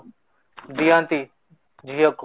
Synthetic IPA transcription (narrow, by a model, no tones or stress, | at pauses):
d̪ijãːnt̪i | d͡ʒʱijok